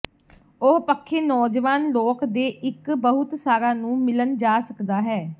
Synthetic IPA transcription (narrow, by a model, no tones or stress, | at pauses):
oɦpəkʰːeːnɔːd͡ʒʋaːnloːkd̪eːʔɪkbəɦʊt̪saːɾãːnũːmɪlənd͡ʒaːsəkd̪aːɦɛː